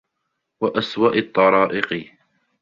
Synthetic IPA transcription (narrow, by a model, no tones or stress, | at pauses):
waʔaswaːʔɑt̪ˤːɑɾˤɑːʔɪqɨ